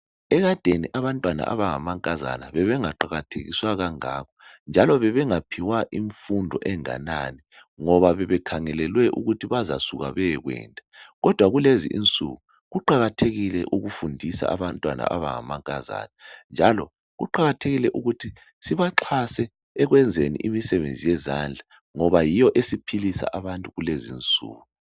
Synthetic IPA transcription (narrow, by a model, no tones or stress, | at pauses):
ɛɣad̥ʱeniʔaβantʼwana̰ʔa̰βaŋamaŋkʼaza̰na̰βɛβɛŋaǃaɣatʰḛɣḭswaɣaŋa̰ːkʰɔ̥nd͡ʒʱalɔβɛβɛŋapʰiwaʔiɱfundʱɔʔɛŋa̰nani | ŋɔβaβɛβɛkʰaŋɛlɛlwɛʔṵɣutʰiβaza̰suɣa̰βɛɣwɛ̰ːntʼḁɣɔd̥ʱwaɣulezḭʔint͡sʼṵɣu | ɣuǃaɣatʰeɣilɛʔuɣufundʱisa̰a̰βantʼwana̰ʔa̰βa̰ŋa̰maŋkʼaza̰ːnɛnd͡ʒʱalɔ | ɣṵǃaɣatʰeɣilɛʔuɣutʰi | siβaǁʰasɛː | ɣwɛnd͡zʱenḭʔimisɛβend͡zʱijɛzand͡ɮʱa | ŋɔβajijɔʔesipʰilisa̰ʔaβantʼuɣulezint͡sʼṵːɣu